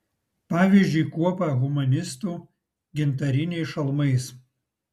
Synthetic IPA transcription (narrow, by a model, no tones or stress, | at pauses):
pɑːʋʲiːzʲd͡ʒʲʊɪkuɔpɐɣʊmɐnʲɪst̪uː | ɡʲɪnt̪ɐɾʲɪnʲɛɪsʃɐlˠmɐɪs